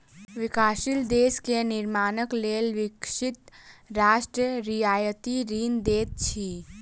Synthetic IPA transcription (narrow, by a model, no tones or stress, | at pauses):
ʋɪkaːʃild̪eːskenɪɾmaːnəkleːlʋɪkʃɪt̪ɾaːʃʈɾəɾijaːjət̪iɾiːnd̪eːt̪̚t͡ʃʰiː